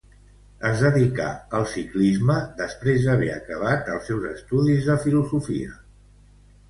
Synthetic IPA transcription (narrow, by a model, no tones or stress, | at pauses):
əzd̪əðika̰əlˠsiklizməd̪əspɾezðəβ̞ɛə̰kəβ̞at̪əlˠsːɛwzəst̪uðizðəfiluzufḭə̰